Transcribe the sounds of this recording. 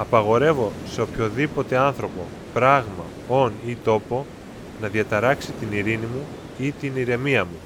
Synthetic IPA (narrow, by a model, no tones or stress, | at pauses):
ɐpɐɣo̞ɾe̞vo̞se̞opço̞ðipo̞t̪e̞ɐnθɾo̞po̞ | pɾɐɣmɐ | o̞nit̪o̞po̞ | nɐðiɐt̪ɐɾɐksit̪iniɾinimu | it̪iniɾe̞miɐmu